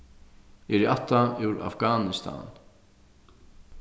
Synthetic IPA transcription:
ɛɾɪʔat̪ːaɪwɾa̰fɡaːnɪst̪ʰa̰n

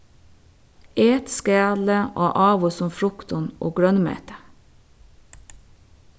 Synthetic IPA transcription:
eːt̪skæːd̪l̩əʔoːʔɑːʋʊsʊmfɾʊkt̪ʊno̰ːɡɽœnmḛːt̪ə̥

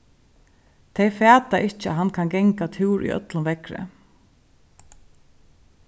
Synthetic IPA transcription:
t̪ʰejfæːt̪aʔɪht͡ʃəa̰ɦankʰanɡɛŋkat̪ʰɪwɾʔḭʔœ̰t̪lʊnʋɛkɾɪ̰

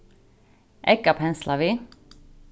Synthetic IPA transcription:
ʔɛkapʰɛnslɑʋiː

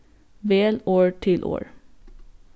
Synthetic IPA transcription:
ʋeːloːɹʈʰɪlʔo̰ːɹ

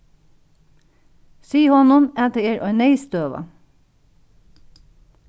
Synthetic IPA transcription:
siːhɔnʊmæt̪əeːɹʔœʏneɪst̪øːʋɑ̰

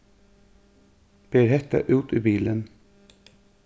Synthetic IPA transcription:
b̥eːɾhɛt̪ə̰ʔʉːt̪iːbiːlən

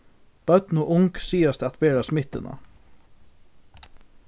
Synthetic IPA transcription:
b̥ɑʉt̪nuːʔʊŋksiːɑst̪ɑt̪beːɾɑsmɪt̪ə̰nɑ̰

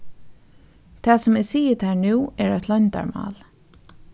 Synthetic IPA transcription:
t̪ʰɑːsʊmɛsiːət̪hæːɹnʉːɛɹat̪ʰlœnt̪a̰ɹmɑ̰ːl

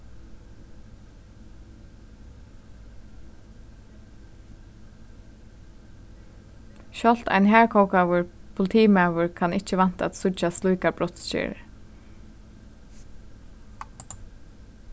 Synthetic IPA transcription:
ʃɔl̥t̪a̰ɪjnɦæːɹkʰɔwkawəɹpʰʊlɪt̪ʰiːmawəɹkʰanɪt͡ʃəʋan̥t̪a̰t̪sʊt͡ʃast̪lujkabɹɔt̪st͡ʃɪ̰ɹ

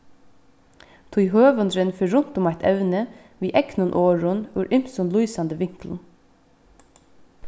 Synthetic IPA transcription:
t̪ʰuːhøːʋənd̪ɾənfœɾʊnt̪ʊmæɪt̪ʰɛʋnə | ʋiːʔɛknʊnʔoːɹʊnʉːɾʔʏmsʊnluːsɑnd̪əʋɪŋkl̩n̩

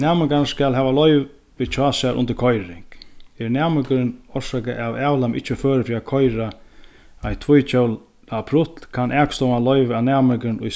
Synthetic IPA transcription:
nɛːmɪkanskælɦɛːʋalɔʏʋ | ʋit͡ʃʰɑːsaɾʔʊ̰nt̪əɾkʰɔjɾɪŋkɛɾnæːmɪkəɾɪnɔsakəʔawɛːwlamɪ̰ht͡ʃːəføːɾəfɾiːakʰɔjɾa | ajt̪ʰvʊjt͡ʃʰœwl | apʰɾʊt̪lkʰanʔɛːkst̪ɔwmalœʏʋanæːmɪkəɾɪnʊj

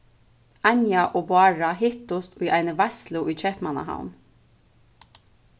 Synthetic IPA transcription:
anjaʔɔːbʊaːɹaɦɪht̪ʊst̪ʊjʔajnəvaslʊʔʏt͡ʃʰɛhpmana̰ɦa̰wn

